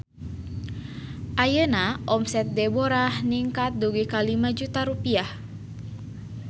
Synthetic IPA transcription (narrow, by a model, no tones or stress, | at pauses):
ʔajənaʔɔmsɛt̪̚dɛboɾahniŋkat̪̚duɡikalimad͡ʒut̪aɾupiah